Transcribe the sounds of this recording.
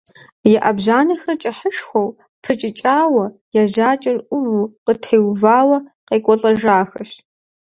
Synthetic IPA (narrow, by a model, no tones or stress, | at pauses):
jɛʔɐbʑaːnɐxɐrt͡ʃʼɐħəʂxʷow | pʰɨt͡ʃʼɪt͡ʃʼaːwɐjaʑaːt͡ʃʼɐrʔʷʊvuqətʰejwvaːwɐqeːkʷʼɔɬʼɐʒaːxɐʃ